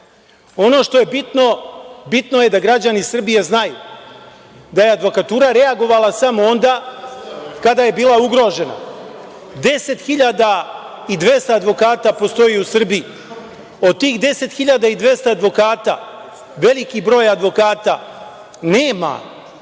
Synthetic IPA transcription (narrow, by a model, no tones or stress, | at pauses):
o̞no̞ʃt̪oje̞bit̪no̞bit̪no̞je̞d̪aɡɾad͡ʑanisr̩bijeznaju | d̪ajead̪ʋo̞kat̪uːɾaɾe̞aɡo̞ʋalˠasamoo̞nd̪aː | kad̪aje̞biːlˠauɡɾo̞ʒe̞na̰ | d̪e̞se̞t̪xiʎad̪a | id̪ʋe̞st̪aːd̪ʋo̞kaːt̪apo̞st̪o̞jiusr̩biji | o̞d̪̚t̪iːxd̪e̞se̞t̪xiʎad̪aid̪ʋe̞st̪aːd̪ʋo̞kaːt̪a̰ | ʋe̞likibɾo̞ːjad̪ʋo̞kaːt̪a̰ | neːma̰